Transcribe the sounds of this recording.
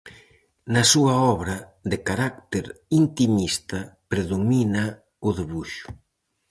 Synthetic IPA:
nɐsuɐɔβɾɐðɪkaɾak̚t̪eɾint̪imist̪ɐpɾeðomina | ʊðiβuʃʊ̥

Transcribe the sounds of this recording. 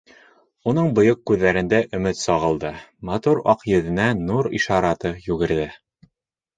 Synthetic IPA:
unɤɴbŏjoq̚kːʉðːæɾɘ̆nd̪æʔɵ̆mɘt̪sɒʁɤ̆lˠd̪ɤmɑt̪uɾɑ̰qjɵ̆ðɘ̆nænuɾḭʃɑɾɑt̪ɤjʉɡɘ̆ɾðɘ

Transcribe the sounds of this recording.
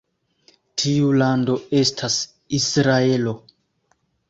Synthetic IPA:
tʰiulando̞e̞stʰas | isɾaelo̞

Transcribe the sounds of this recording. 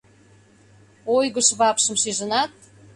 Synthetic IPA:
ojɣəʃβɑpʃə̆msiʒə̆nɑt̪̚

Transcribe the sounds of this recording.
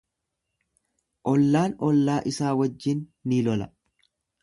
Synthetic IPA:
ʔɔlːaːnɔlːaːʔɪsaːwɐd͡ʒːɪnːiːlɔlɐ

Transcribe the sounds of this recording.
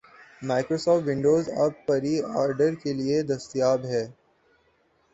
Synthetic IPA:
maːɪkɾoːsɔːfʈʋɪ̃ɳɖoːzɐ̰bːɐɾiaːɾɖəɾkelied̪ɐst̪ijaːbɦɛː

